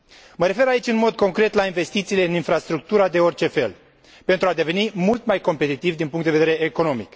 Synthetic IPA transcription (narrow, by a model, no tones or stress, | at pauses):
məɾe̞fe̞ɾait͡ʃʲɨnmo̞d̪ko̞ŋkɾe̞t̪lainve̞st̪it̪siːle̞ɨninfɾast̪ɾuk̚t̪uɾad̪e̞o̞rt͡ʃe̞fe̞̰l | pent̪ɾuad̪e̞ve̞nimult̪majko̞mpe̞t̪it̪ivd̪inpuŋkt̪d̪eveeɾe̞eko̞no̞mḭk